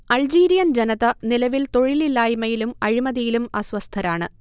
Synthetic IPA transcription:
ɐld͡ʑiːɾijɐnd͡ʑenɐðɐnilɐʋilt̪o̞ɻililaːjimɐjilumɐɻimɐðijilumɐsʋɐst̪ʰɐɾaːɳɨ

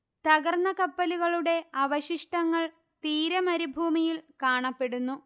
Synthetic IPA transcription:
t̪ɐɣɐrnɐkɐpːɐliɣɐɭuɽe̞ɐʋɐɕiʂʈɐŋːɐɭ | t̪iːɾɐmɐɾibʱuːmijilkaːɳɐpːe̞ɽunːu

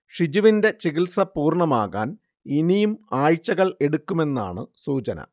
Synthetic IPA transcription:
ʂid͡ʑuʋinde̞t͡ɕiɣilsɐpuːrɳɐmaːɣa̰ːn | inijumaːjt͡ɕːɐɣɐɭe̞ɽukːume̞nːa̰ːɳɨsuːt͡ɕɐnɐ̰

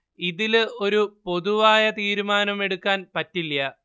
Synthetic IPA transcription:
iðilo̞ɾupo̞ðuʋaːjɐt̪iːɾumaːnɐme̞ɽukːaːnpɐtːilːɐ

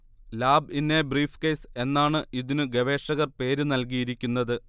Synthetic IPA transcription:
laːbinːebriːfkejse̞nːaːɳɨʔiðinɨɡeʋe̞ːʂɐɣɐrpe̞ːɾunɐlkijiɾikʲːunːɐðɨ

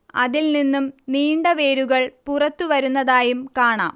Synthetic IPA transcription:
ɐ̰ðilninːumniːɳɖɐʋeːɾuɣɐɭpurɐt̪ːuʋɐɾunːɐðaːjumkaːɳa̰ːm

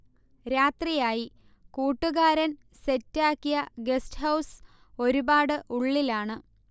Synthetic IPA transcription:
ɾaːt̪rijaːji | kuːʈːuɣaːɾɐn | se̞tːaːkːijɐɡe̞sʈɦɐws | o̞ɾubaːɽɨʔuɭːilaːɳɨ

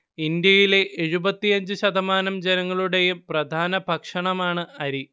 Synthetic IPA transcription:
ind̪jɐjile̞ʔeɻubɐt̪ːijɐɲd͡ʑɨɕɐd̪ɐmaːnɐmd͡ʑenɐŋːɐɭuɽe̞jumprɐd̪ʱaːnɐbʱɐkʂɐɳɐmaːɳɨɐɾi

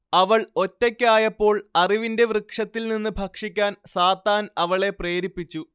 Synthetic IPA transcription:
ɐʋɐɭo̞tːɐkʲːaːjɐpːo̞ːɭɐriʋinde̞ʋrɨkʂɐt̪ːilninːɨbʱɐkʂikʲːaːnsaːt̪aːnɐʋɐɭe̞pre̞ːɾipːit͡ɕːu

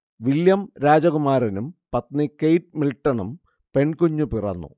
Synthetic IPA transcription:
ʋiljɐmɾaːd͡ʑɐɣumaːɾɐnumpɐt̪nɨkejʈ̚milʈːɐɳum | pe̞ɳkoɲːupirɐ̰nːṵ

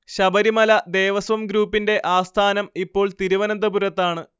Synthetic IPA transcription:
ɕɐbɐɾimɐlɐd̪eːʋɐsʋɐmɡɾuːpːinde̞ʔaːst̪ʰaːnɐmipːo̞ːɭt̪iɾuʋɐnɐnd̪ɐbuɾɐt̪ːaːɳɨ

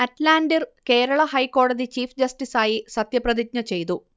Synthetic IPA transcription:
ɐtlaːndirke̞ːɾɐɭɐhɐjkːo̞ːɽɐðit͡ɕiːfd͡ʑɐsʈisaːjisɐt̪jɐprɐðit̚ɲɐt͡ɕe̞jt̪̬u

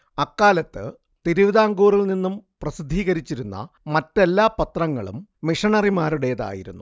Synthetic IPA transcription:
ɐkːaːlɐt̪ːɨ̰ | t̪iɾuʋiðaːŋɡuːrilninːumprɐsid̪ʱːiːɣɐɾit͡ɕːiɾunːɐ̰ | mɐtːe̞lːaːpɐt̪rɐŋːɐɭṵmːiʂɐɳɐrimaːɾuɽe̞jɐða̰ːjḭɾṵnːu

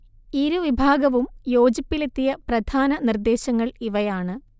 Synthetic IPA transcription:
iɾuʋibʱaːɡɐʋumjo̞ːd͡ʑipːilet̪ːijɐprɐd̪ʱaːnɐnird̪e̞ːɕɐŋːɐɭiʋɐjaːɳɨ

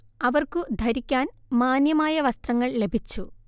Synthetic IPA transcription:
ɐʋɐrkud̪ʱɐɾikʲːaːn | maːnjɐmaːjɐʋɐst̪rɐŋːɐɭle̞bʱit͡ɕːu

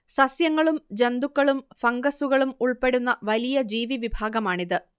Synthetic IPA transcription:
sɐsjɐŋːɐɭumd͡ʑend̪ukːɐɭumfɐŋɡɐsuɣɐɭumuɭpe̞ɽunːɐʋɐlijɐd͡ʑiːʋiʋibʱaːɡɐmaːɳiðɨ

